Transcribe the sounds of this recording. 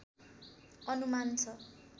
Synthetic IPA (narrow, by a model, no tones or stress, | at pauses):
ʌnumant͡sʰʌ